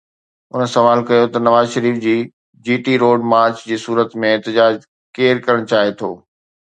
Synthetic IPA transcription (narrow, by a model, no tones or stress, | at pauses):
ʊnəsɐʋaːlkɐjot̪ɐnɐʋaːzʃɐɾiːfd͡ʑiː | d͡ʑiːʈiɾoːɖmaːɾt͡ɕd͡ʑiːsuːɾət̪mẽɛːt̪ɪd͡ʑaːd͡ʑ | keːɾkɐɾəɽ̃t͡ɕaːɦet̪ʰo̰ː